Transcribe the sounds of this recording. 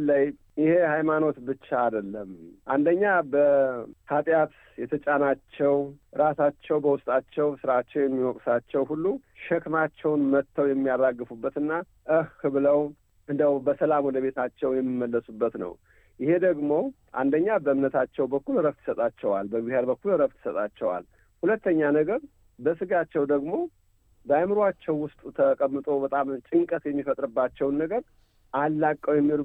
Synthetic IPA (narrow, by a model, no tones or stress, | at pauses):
ləj | jɪhe̞hajmano̞t̪bɨt͡ʃːaːd̪əlːəmʔand̪əɲːabəhat̪ʼjat̪ | jɛt̪ʰət͡ʃʼanat͡ʃːɛwɾasat͡ʃːɛwbəwʊst̪ʼat͡ʃːɛwsɨɾat͡ʃːɛwjɛmːiwɔkʼsat͡ʃːɛwhulːu | ʃɛkmat͡ʃːɛwnmət̪ʰːəwjɛmːijaraɡːɨfubːət̪ɨnːa | ʔɨhːɨβɨləw | ʔɨnd̪əwbəsəlamwɔd̪əβe̞t̪ʰat͡ʃːɛwjɛmːimːəlːəsubːət̪nə̰w | jɪhe̞d̪əɡmo̞ | ʔa̰nd̪əɲːabəɨmnət̪ʰat͡ʃːɛwbəkːulɾəft̪ʰːɨ̥sət̪ʼat͡ʃːɛwalbəbɨheɾbəkːulɾəβt̪ʰɨ̥sət̪ʼat͡ʃːɛwa̰l | hulət̪ːəɲːanəɡəɾ | bəsɨɡat͡ʃːɛwd̪əɡmo̞ | bajmɨɾat͡ʃːɛwːʊst̪ʼut̪ʰəkʼəmːɨt̪ʼo̞bət̪ʼamt͡ʃʼɨŋkʼət̪jɛmːifət̪ʼɾɨbːat͡ʃːɛwnːəɡəɾ | ʔalːakʼːəwjɛmːiɾ